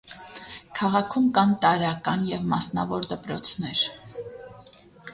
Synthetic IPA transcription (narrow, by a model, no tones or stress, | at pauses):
kʰɑʁɑkʰumkɑnt̪ɑɾɑkɑnjɛvmɑsnɑvɔɾd̪əpɾɔt͡sʰnɛɾ